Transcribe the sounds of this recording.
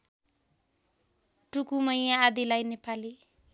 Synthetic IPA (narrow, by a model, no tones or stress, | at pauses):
ʈukumʌjjãːd̪ilajnepali